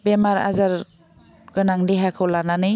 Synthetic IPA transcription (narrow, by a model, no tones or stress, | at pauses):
bemaɾa̰zaɾ | ɡɯnaŋdiɦakʰɯwlananɯj